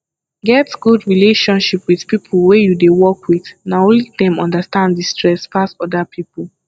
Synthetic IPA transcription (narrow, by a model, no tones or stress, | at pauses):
ɡɛtɡ̥udɹileʃɔ̃nʃipwiðpipʰlwejudewɔkwiθnaõlidɛ̃mɔ̃ndastãndistʰɹɛspʰasɔdapʰipul̩ˠ